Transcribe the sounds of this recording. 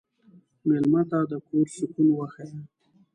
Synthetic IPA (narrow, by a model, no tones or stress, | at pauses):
mɪlmat̪ad̪əkʰoɾʃʊkunwaxaja